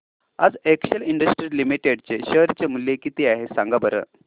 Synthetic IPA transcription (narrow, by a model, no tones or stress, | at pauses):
ad͡zekɕəliɳɖəsʈɾilimiʈeɽt͡seɕəɦɾit͡ɕemuljekit̪iaɦesaŋɡabəɾə̰